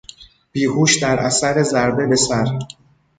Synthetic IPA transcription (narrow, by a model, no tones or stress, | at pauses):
b̥iːhuːʃd̪æɾʔæsæɾe̞zæɾbe̞be̞sæɾ